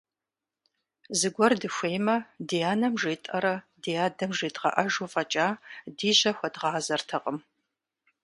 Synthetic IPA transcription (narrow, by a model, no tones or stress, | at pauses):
zɨɡʷɔrdɨxʷeːjmɐdijaːnɐmʒeːtʼɐɾɐ | dijaːdɐmʒeːtʁɐ̰ʔɐʒufʼɐt͡ʃʼaːdiːʑɐxʷɐdʁɑːzɐrtʰɐqʼəm